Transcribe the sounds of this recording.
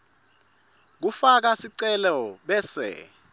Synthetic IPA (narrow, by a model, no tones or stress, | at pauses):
k̬ufak̬asiǀɛlɔɓɛsɛ̰